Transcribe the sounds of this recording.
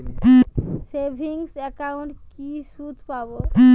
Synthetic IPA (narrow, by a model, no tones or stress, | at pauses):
sebʱiŋsɛkauɳʈkisud̪ʱpabo